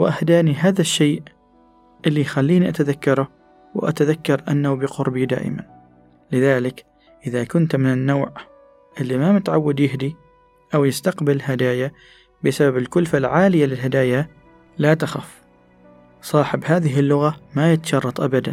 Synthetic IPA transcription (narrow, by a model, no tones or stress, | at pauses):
wʔahd̪aːniɦaːðaʃːeːʔ | ʔɪlːijxalːiːniʔat̪aðakːɑɾˤʊ | wʔa̰t̪aðakːɑɾˤʔanːabɪqʊɾbid̪a̰ːʔɪ̰ma̰n | lɪðaːlɪk | ʔɪðakʊnt̪mɪnɪnːaːʕ | ʔɪlːimamɪt̪ʕawːad̪jɪhd̪i | ʔawjɪst̪aqbɪlɦad̪aːja | bɪsababɪlkʊlfalʕaːlɪjalɪlɦad̪aːja | lat̪axa̰f | sˤɑːħɪbhaːðɪɦɪlːʊɣamajɪt̪ḁʃɑrˤːɑt̪ˤʔabad̪an